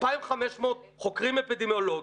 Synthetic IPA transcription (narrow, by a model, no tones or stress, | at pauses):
paimχameʃmoːt̪̚ | χokʁimepid̪emjoloɡ